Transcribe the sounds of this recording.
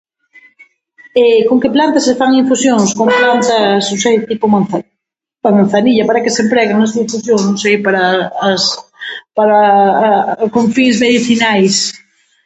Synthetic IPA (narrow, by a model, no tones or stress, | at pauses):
ɛkoŋkeplant̪ɐsefaŋiɱfusjoŋskomplant̪ɐsosejt̪ipomanθ | amãnθaniʎɐpaɾɐkesempɾɛɣaŋnasuiɱfusjoŋsnõŋsejpaɾɐspaɾa | koɱfiŋzmeðiθinajs